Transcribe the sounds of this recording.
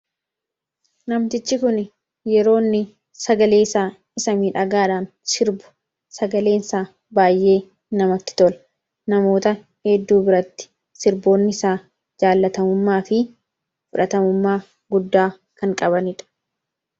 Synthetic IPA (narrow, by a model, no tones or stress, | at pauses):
nɐmt̪ɪt͡ʃːɪkʊn | jɛɾo̞ːnːɪ | sɐɡɐle̞ːsaː | ɪsɐmiːᶑɐɡaːᶑaːn | sɪɾbʊ̥ | sɐɡɐle̞ːnɪsaː | baːjʔe̞ː | nɐmɐt̪ːɪ̥t̪ɔlɐ | nɐmo̞ːt̪ɐ | hɛd̪ːuːbɪɾɐt̪ːɪ̥ | sɪɾbo̞ːnːɪɪsaː | d͡ʒaːlːɐt̪ɐmʊmːaːfɪ | fʊᶑɐt̪ɐmʊmːaː | ɡʊd̪ːaː | kɐŋkʼɐβɐnɪᶑɐ̥